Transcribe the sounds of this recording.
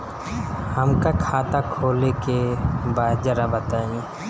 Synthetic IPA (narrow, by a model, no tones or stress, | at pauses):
həmkakʰaːt̪akʰoːlekebaːd͡ʒəɾabət̪aːĩ